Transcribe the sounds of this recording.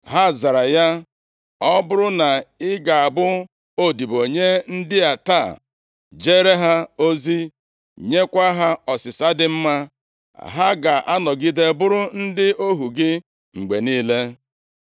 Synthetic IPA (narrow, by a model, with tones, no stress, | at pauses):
ɦa˦˨za˨ɾa˨ja˦ | ɔ˦bʊ˦ɾʊ˦na˨ɪ˦ɡa˨a˨bʊ˦ | o˦di˨bo˨ɲe˦n̩˦dɪ˦a˨ta̰˦˨ | d͡ʒe˦ɾe˦ɦa˦o˦zi˦ | ɲe˦kʷa˦ɦa˦ɔ˨sɪ˨sa˦dɪ˦m̩˦ma˦ | a̰˨ɦa˦ɡa˨ʔa˦nɔ˨ɡi˦de˦bʊ˦ɾʊ˦n̩˦dɪ˦o˦ɦu˨ɡɪ˦ | ŋ͡m̩˨ɡ͡be˨niː˦le˦